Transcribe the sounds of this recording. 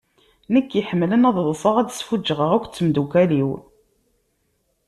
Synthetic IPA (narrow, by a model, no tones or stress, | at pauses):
nəkːjəħəmːlənɑðˤðˤfəʁæd̪sfud͡ʒːəʁəʁækʷːt͡sːəmd̪ukæliw